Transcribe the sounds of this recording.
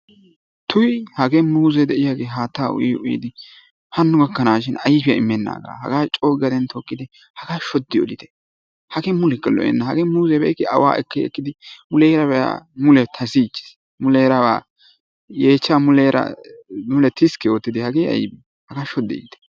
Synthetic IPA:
t̪ʊjhɐɡemuːzɛd̪ɛʔɪjaɡeːɦaːt̪ːaːʊ̰jiːʊjḭd̪ɪ | hɐnːʊɡɐɡːɐnaːʃɪnɐjbɪjɐ̰ɪmːɛnːa̰ːɡa̰ːhɐ̰ɡaːt͡ʃʼo̞ːɡɪɐd̪ɛnt̪ɔkʼːɪd̪ɪ | hɐɡaːʃɔd̪ːɪɔ̰lɪt̪ɛ̥ | hɐɡemʊlɛkːɛlɔ̰ʔɛ̰nːɐhɐɡeːmuːzɛbɛjkːɪɐ̰wa̰ːʔɛ̰kːɛɛ̰kːɪd̪ɪmʊlɛːɾɐbɛja̰mʊlɛt̪ʰɐsiːt͡ʃːɪ̥s | mʊleːɾɐbaː | jeːt͡ʃːaːmʊlɛɾɐ̰mʊlɛt̪ɪskɛjoːt̪ːɪd̪ɪhɐɡeːɐ̰jbɪ | hɐɡaːʃɔd̪ːɪɔ̰lɪt̪ɛ̥

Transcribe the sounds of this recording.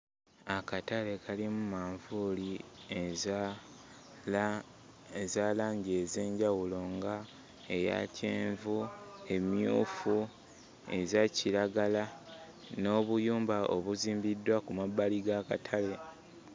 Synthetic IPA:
akatale̞kʰalimumaːɱvuli | ezaːlaːɲɟe̞ze̞ːɲɟawulo̞ŋɡa | e̞ja̰ceːɱvue̞mjuːfu | e̞̰zaciɾaɡala | no̞ːβujuːmbaʔo̰βuziːmbidːwakumabːaliɡakatʰale̞

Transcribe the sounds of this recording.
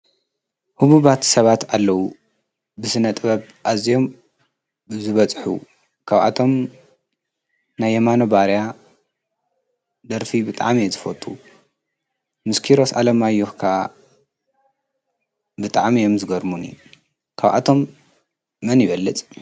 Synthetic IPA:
huβuβat̪sɐβat̪alːɐwu | bɨsɨnɐt̪ʼβɐβ | ʔazijo̞m | zɨβɐt͡sʼħṵ | kʰaβʔa̰t̪ʰo̞m | najːɐmano̞baɾja | d̪ɐɾfibɨt̪ʼa̰ʕmijezɨfɐt̪ʼu | mɨskʰiɾo̞salɐmajohkʰa | bɨt̪ʼaʕmijo̞mzɨɡɐɾmunḭ | kʰaβʔa̰t̪ʰo̞m | mɐnjɪβɐlːɨt͡sʼ

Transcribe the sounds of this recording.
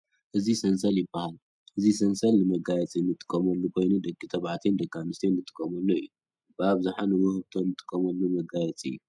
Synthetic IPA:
ʔɨzisɐnsɐljɪbːahal | ʔɨzisɐnsɐlnɨmɐɡajɛt͡sʼinːɨt̪ʼɨ̥kʼːɐmɐlːukʰo̞jnud̪ɐɡʼːit̪ʰɐβʕat̪ʰend̪ɐɡamɨst̪ʰenːɨt̪ʼɨ̥kʼːɐmɐlːoɨjːu | b̥ɨaβzaħanɨwɨhɨβt̪ʰonːɨt̪ʼɨ̥kʼːɐmɐlːumɐɡajɛt͡sʼɨ̰jːu

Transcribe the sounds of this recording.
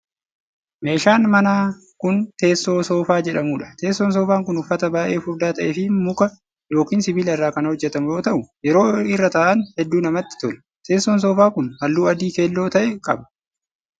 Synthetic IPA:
me̞ːʃaːnmɐnaː | kʊnt̪e̞ːsːoːso̞ːfaːd͡ʒɛᶑɐmuːᶑɐ̥t̪e̞ːsːoːns̬o̞ːfaːŋkʊnʊfːɐt̪ɐbaːʔe̞ːfʊɾd̪aːt̪ɐʔeːfɪmʊkɐ | jo̞ːkiːnsɪbiːlɛrːaːkɐnɐhɔd͡ʒːɛt̪ɐmʊjoːt̪ɐʔʊjɛɾo̞ːɪrːɐt̪aːʔɐnhɛd̪ːuːnɐmɐt̪ːɪ̥t̪ɔlɐ | t̪ʰe̞ːsːons̬o̞ːfaːkʊnhɐlːuːɐd̪iːkeːlːo̞ːt̪ɐʔɛkʼɐ̰bɐ̥

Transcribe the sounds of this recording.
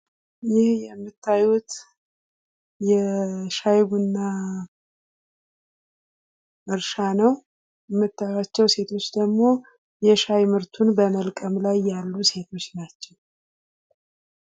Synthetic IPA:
jɪhjɛmːɨt̪ʰːajut̪ | jɛʃajβɨnːa | ʔɨɾʃanəw | jɛmːɨt̪ʰːajwat͡ʃːɛwse̞t̪ʰo̞t͡ʃːd̪əɡmo̞ | jɛʃajmɨɾt̪ʰunbəməlkʼəmlajːalːuse̞t̪ʰo̞t͡ʃːnat͡ʃːɛw

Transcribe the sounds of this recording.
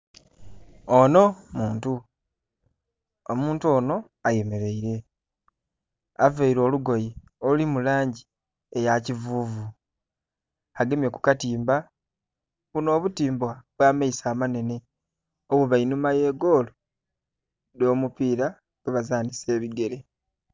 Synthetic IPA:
ono̞muːntu | omuːntuo̞ːno̞ | aje̞me̞ɾe̞iɾe̞ | aveiɾo̞ːluɡo̞ji | olimulaːɲɟi | e̞jacivuːvu | aɡe̞mje̞ku̥katiːmba | βuno̞ːβutiːmbwaβwaːmeisaːmane̞ne̞ | oβuβainumaje̞ːɡo̞ːlo | do̞ːmupiːɾa | ɡeβazaːnise̞ːβiɡe̞ɾe̞

